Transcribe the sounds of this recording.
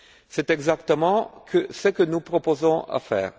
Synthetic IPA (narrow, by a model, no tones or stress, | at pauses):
sɛt̪ɛɡzakt̪əmɑ̃kʰəsəkənupχɔpozɔ̃a̰fɛ̰ːʁ